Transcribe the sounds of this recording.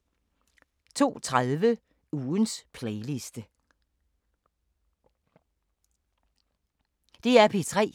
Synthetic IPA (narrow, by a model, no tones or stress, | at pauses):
t͡sʰo̝̰ːt͡sʰʁaðˠʋə | uːnspʰleɪlisd̥ə | d̥e̝æɐpʰit͡sʰʁɛ̰ː